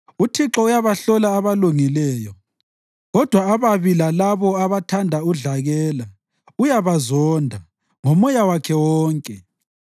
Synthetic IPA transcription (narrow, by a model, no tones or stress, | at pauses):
utʰiǁɔujaβaɬɔlaːβaluŋilɛːjɔ | ɣɔd̥ʱwaːβaβilalaβɔaβatʰandʱauɮaɣɛːla | ujaβazɔndʱa | ŋomɔjawakʰɛwɔːŋkʼɛ